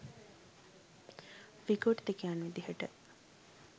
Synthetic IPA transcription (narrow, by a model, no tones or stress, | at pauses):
ʋiɡoʈt̪ekijanʋid̪iɦəʈə